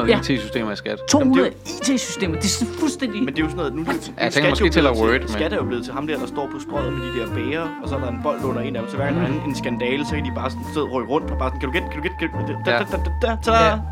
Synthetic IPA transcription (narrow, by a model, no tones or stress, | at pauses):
t͡sʰe̝sysd̥ḛːmɐisɡ̥æd̥t͡sʰo̝̰mːmul̩ˠ | it͡sʰe̝̰ːsy̥sd̥e̝̰ːm̩ˠd̥e̝sfulsd̥en̰d̥imend̥e̝jo̝sɒnɔð̩ˠnub̥esʰsʰeŋɡædsje̥eɜd̥sɡæd̥æɐjob̥le̝ːð̞̩ˠt͡sʰe̝ɦɑ̈md̥eɐd̥ɑ̈sd̥ɒ̰ːpʰɒ̽sd̥ʁɔð̰̩ˠfɒd̥ḭːd̥eæɐb̥eːɐɒ̽sɒ̽nɒenb̥ɒ̽l̰d̥ɔ̽n̰ɐe̝ːnædm̩sɒʋæɐ̰̥næn̩e̝nsɡ̥ænd̥ɛːləsɒ̽kʰæd̥ib̥ɑ̈ːsɒnseð̰ˠʁɔɡʁɔ̽n̰d̥ɒb̥ɑ̈ːsɔ̽nkʰæd̥uɡ̥ekʰæɾuɡ̥e̥kʰæu̥e̥ | æt͡sʰɑ